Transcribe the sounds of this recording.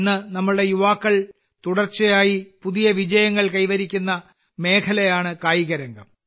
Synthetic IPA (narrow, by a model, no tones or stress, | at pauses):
nːɨnɐmːɐɭɨɽe̞juʋaːkːɐɭ | t̪uɽɐrt͡ɕːɐjaːjipuðijɐʋid͡ʑɐjɐŋːɐɭkɐjʋɐɾikʲːunːɐ | me̞ːkʰɐlɐjaːɳɨkaːjiɣɐɾɐŋɡɐm